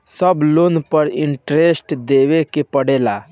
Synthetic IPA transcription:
səbloːnpəɾɪɳʈɾesʈd̪eːwekepəɽeːla

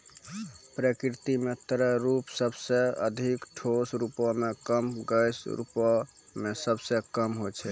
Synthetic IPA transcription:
pɾəkɾt̪imet̪əɾəɾupsəbseəd̪ʱikʈʰosɾupɔmekəmɡəjsɾṵpɔmesəbsekəmɦot͡ʃʰɛ

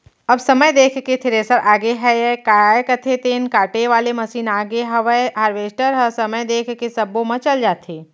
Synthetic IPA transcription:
ɐbsɐməjd̪eːkʰket̪ʰɪɾeːsəɾaːɡeɦɛjkaːajkət̪ʰet̪eːnkaːʈeʋaːlemɐsiːnaːɡeɦɐʋəɦaːɾʋeːsʈəɾɦəsɐməjd̪eːkʰkesɐbõmɐ̃t͡ʃɐld͡ʒaːt̪ʰeː

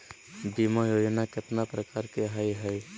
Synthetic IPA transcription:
d̪imajoːd͡ʒnakɪt̪napɾəkaːɾkeɦajɦɛj

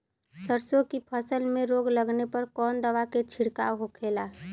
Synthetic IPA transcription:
səɾsõkipʰəsəlmẽɾoːɡləɡnepəɾkɔːnd̪əʋaket͡ʃʰɪɽkaɦokʰeːlaː

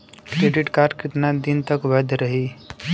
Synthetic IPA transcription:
kɾeːɖɪʈkaːɾɖkɪt̪nad̪ɪnt̪əkʋəd̪ʱɾəɦi

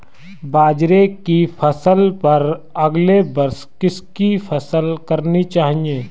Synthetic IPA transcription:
baːd͡ʒɾekifʰɐsəlpɐɾɐɡlebɐɾs | kɪskifʰɐsəlkɐɾnit͡ʃaːɦiẽː

